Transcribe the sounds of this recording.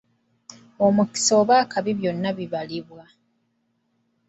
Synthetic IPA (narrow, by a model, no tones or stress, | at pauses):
omuki̥so̞ːβaːkaβiβjo̞nːaβiβaliβwa